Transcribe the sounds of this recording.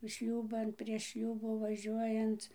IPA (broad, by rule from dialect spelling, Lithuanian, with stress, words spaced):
ˈʃʲlʲuːbɐn pʲrʲiɛʃ ˈʃʲlʲuːbuː ʋɐˈʒʲuɔjɛnt͡s